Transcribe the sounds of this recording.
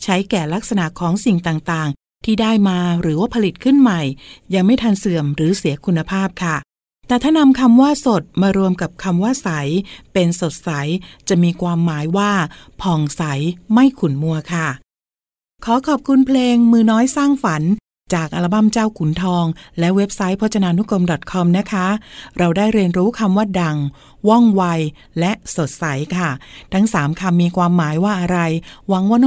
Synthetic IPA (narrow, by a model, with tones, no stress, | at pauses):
t͡ɕʰa˦˥jkɛː˨˩la˦˥k̚sa˧na˨˩ʔkʰɔː˨˩˦ŋsi˨˩ŋt̪aː˨˩ŋt̪aː˨˩ŋ | t̪ʰiː˥˩daː˥˩jmaː˧ɾɯː˩˦waː˥˩pʰa˧li˨˩t̪̚kʰɯ˥˩nma˨˩jja˧ŋma˥˩jt̪ʰa˧nsɯ˨˩əmɾɯː˩˦si˨˩˦ɐkʰu˧nːa˧pʰaː˥˩p̚kʰa˥˩ | t̪ɛː˨˩t̪ʰaː˥˩na˧mkʰa˧mwaː˥˩so˨˩t̪̚maː˧ɾu˧əmka˨˩p̚kʰa˧mwaː˥˩sa˩˦jpe˧nso˨˩t̪̚sa˩˦jt͡ɕa˨˩miː˧kʰwaː˧mːaː˩˦jwaː˥˩ | pʰɔː˨˩ŋsa˩˦jma˥˩jkʰu˨˩nmu˧ɐkʰa˥˩ | kʰɔː˨˦kʰɔː˨˩p̚kʰu˧npʰleː˧ŋmɯː˧nɔː˦˥jsaː˥˩ŋfa˩˦n | t͡ɕaː˨˩k̚ʔa˧la˧˥ba˥˩mt͡ɕaː˥˩wkʰu˨˩˦nt̪ʰɔː˧ŋlɛ˦˥ʔwe˦˥p̚sa˦˥jpʰɔ˦˥t̪̚t͡ɕʰa˧naː˧nu˦˥ko˧mdɔ˨˩t̪̚kʰɔ˧mna˦˥kʰa˦˥ɾa˧wdaː˥˩jɾi˧ənɾuː˦˥kʰa˧mwaː˥˩da˧ŋ | wɔ˥˩ŋwa˧j | lɛ˦˥ʔso˨˩t̪̚sa˨˩˦jkʰa˥˩t̪ʰa˦˥ŋsaː˩˦mkʰa˧mːiː˧kʰwaː˧mːaː˩˦jwaː˥˩ʔa˧ɾa˧jwa˧˦ŋwaː˥˩n˥